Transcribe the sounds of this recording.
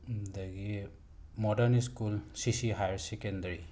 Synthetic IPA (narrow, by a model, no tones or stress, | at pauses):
daɡi | mɔdəniskulsisiɦajɹsɛkɛndaɹi